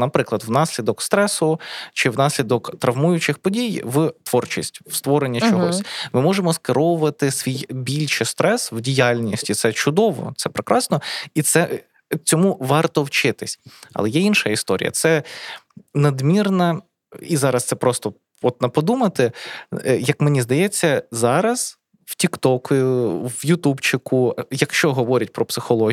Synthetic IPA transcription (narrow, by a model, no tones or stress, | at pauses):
nɐpɾɪklˠɐd̪wnɑsʲlʲid̪ɔkst̪ɾɛsʊt͡ʃɪwnɑsʲlʲid̪ɔkt̪ɾɐʋmujʊt͡ʃɪxpɔdʲijʋt̪ʋɔrt͡ʃisʲtʲwst̪ʋɔɾenʲːɐt͡ʃɔɦɔsʲmɪmɔʒemɔskɪɾɔʋʊʋɐt̪ɪsʋʲijbʲilʲʃɪst̪ɾɛswdʲijɑlʲnʲisʲtʲit̪sɛt͡ʃʊd̪ɔʋɔ̰t̪sɛpɾɪkɾʔɑsnɔit̪sɛ | t͡sʲɔmuʋɑrt̪ɔwt͡ʃɪt̪ɪsʲɐ̰lˠɛjɛinʃɐist̪ɔɾ̰ʲjɐ̰t̪sɛ | nɐd̪mʲirnɐ | izɑɾɐst̪sɛpɾɔst̪ɔ | ɔt̪̚nɐpɔd̪umɐt̪ɪ | jɐkmenʲizd̪ɐjɛt͡sʲːɐzɑɾɐz̥ | wtʲikt̪ɔkʊwjʊt̪ubt͡ʃɪkʊjɐkʃt͡ʃɔɦɔʋɔɾʲɐt̚ʲpɾɔpsɪxɔlˠɔ